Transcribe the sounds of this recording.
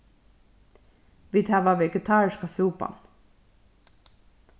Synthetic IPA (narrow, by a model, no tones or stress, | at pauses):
ʋit̪ʰhæːʋɑːʋɛɡət̪ʰɑːɹʃkasuːpɑ̰n